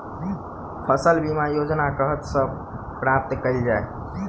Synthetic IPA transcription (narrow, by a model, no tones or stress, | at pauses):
pʰəsəlbimajod͡ʒnakəɦət̪sə̃ | pɾap̚t̪kəild͡ʒae